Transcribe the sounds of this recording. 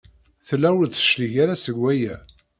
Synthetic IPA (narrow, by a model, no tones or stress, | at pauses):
θəlːæwəlθə̥ʃliʝaɾasəɡʷːæjæ